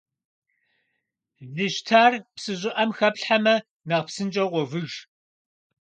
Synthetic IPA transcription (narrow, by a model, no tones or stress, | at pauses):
zɨɕtʰaːrpsɨʑʼɪʔɐmxɐpɬħamɐ | nɐʁpsɨnd͡ʒʼɐʁʷɔvɨʒ